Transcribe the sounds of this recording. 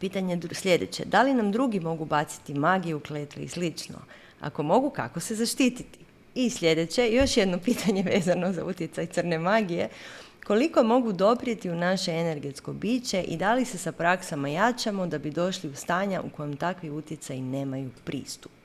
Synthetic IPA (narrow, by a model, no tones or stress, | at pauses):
piːt̪aɲed̪slʎe̞d̪et͡ɕe̞̰d̪alinamd̪ɾuɡimo̞ɡubat̪si̥t̪imaɡijeukleːt̪lḛḭslit͡ʃno̞̰ | a̰ko̞mo̞ɡuka̰ko̞se̞zaʃt̪it̪it̪i̥ | isʎʲe̞d̪e̞t͡ɕe̞jo̞ʃjed̪no̞piːt̪ʰaɲe̞ʋe̞ːzano̞za̰ut̪je̞t̪sajt̪sr̩ne̞maɡije | ko̞liko̞mo̞ɡud̪o̞pɾie̞t̪iunaʃe̞ene̞ɾɡe̞t̪sko̞biːt͡ɕe̞ʔid̪alise̞sapɾaksamajat͡ʃamo̞d̪abid̪o̞ʃliust̪aːɲaʔṵko̞jemt̪akʋiut̪jet̪sajine̞ːmajupɾʔḭːst̪u̥p